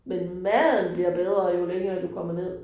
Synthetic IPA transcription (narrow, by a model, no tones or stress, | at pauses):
menmæð̰ˠn̩b̥liɐb̥eð̞ˠʁɐjo̝leŋɐːd̥ukʰɒ̽m̰ɐne̝ð̰ˠ